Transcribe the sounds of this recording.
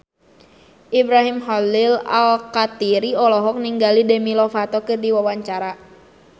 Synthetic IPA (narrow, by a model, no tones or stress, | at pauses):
ʔibɾaɦimɦɔlila̰lkat̪iɾiɔlɔɦɔk̚niŋɡalidɛmilɔfat̪ɔkɨrdiwawaɲt͡ʃaɾa